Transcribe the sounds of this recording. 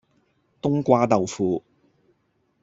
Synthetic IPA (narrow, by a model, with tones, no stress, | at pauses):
t̪ʊ˥ŋkʷaː˥t̪ɐ˨wfuː˧